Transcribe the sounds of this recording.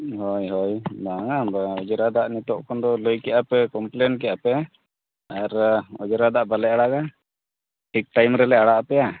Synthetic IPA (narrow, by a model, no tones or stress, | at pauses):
hɔjɦɔjbaŋaɔd͡ʒɾad̪aʔnit̪ɔʔkɔnd̪ɔlojkɛʔapɛkɔmplenk̬ɛʔapɛ | aɾɔd͡ʒɾad̪aʔbalɛaɽaɡa | ʈʰik̚ʈajmɾɛlɛaɽaʔpɛja